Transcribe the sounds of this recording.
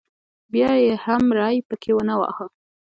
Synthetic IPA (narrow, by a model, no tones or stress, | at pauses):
bjɑjehamɾɑjpəkʰewənawɑ̰hə